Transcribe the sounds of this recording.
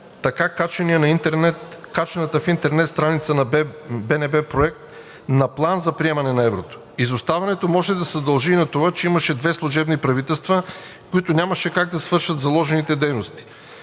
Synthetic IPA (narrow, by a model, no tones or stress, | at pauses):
t̪ɐkakat͡ʃɛniɛnɐiɛt̪kat͡ʃɛnɐt̪əfint̪ɛɾnɛt̪st̪ɾanit̪sənɐbɛnɛbɛpɾoɛk̚t̪ | nɐplˠanzɐpɾiɛmɐnɛnɐɛvɾot̪o̥ | izost̪avɐnɛt̪omɔʒɛd̪ɐzɐd̪ɐlˠʒiːnɐt̪ovat͡ʃɛimɐʃɛd̪vɛslˠuʒɛbnipɾɐvit̪ɛlˠst̪və | kʊit̪onʲamɐʃɛkaɡ̚d̪ɐsvɤɾʃɐt̪zɐlˠɔʒɛnit̪ɛd̪ɛjnost̪i̥